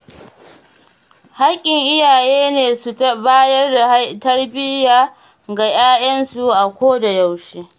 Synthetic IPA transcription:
ha˦kʲʼːɪ˨ŋʔɪ˦jaː˨jeː˦neː˨su˨tɐ˦baː˦jɐ˦rda˨htɐ˦ɽbɪ˦jaː˨ | ɡa˨j̰aː˦jɐ˦nsu˨ʔa˨kʷoː˦da˨ja˨wʃeː˦

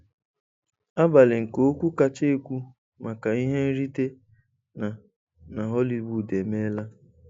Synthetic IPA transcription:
a˦ba˨lɪ˨ŋ̩˨ko˨˦kʷu˦ka˦t͡ʃe˦e˦kʷu˦ | ma˨ka˨i˦ɦe˦n̩˦ɾi˦te˦ | na˨ | na˨ɦɔ˦li˦bu˨de˨me˦la˦

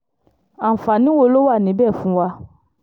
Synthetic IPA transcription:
a˨fa˨nĩ˨˦wo˧lo˦wa˦˨nĩ˨˦bɛ˦˨fũ˨˦wa˧

